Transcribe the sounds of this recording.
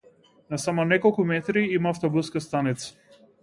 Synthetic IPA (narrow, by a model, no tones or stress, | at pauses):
nasamɔnɛkɔlˠkumɛt̪ɾiimaaft̪ɔbuskast̪anit̪sḁ